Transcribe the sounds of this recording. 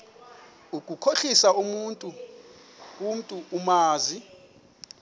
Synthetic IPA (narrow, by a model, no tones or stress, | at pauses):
uk̬ʼukʰoɬisaumuːntʼu | um̩tʼuːmaːzi